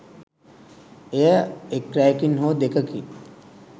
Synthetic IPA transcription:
ejəekɾajkinɦoːd̪ekəki

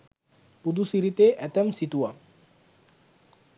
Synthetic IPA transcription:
pud̪usiɾit̪eʔɛt̪ɛmsit̪ua

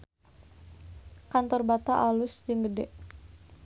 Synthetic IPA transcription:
kant̪ɔrbat̪aʔalʊsd͡ʒəŋɡədɛʔ

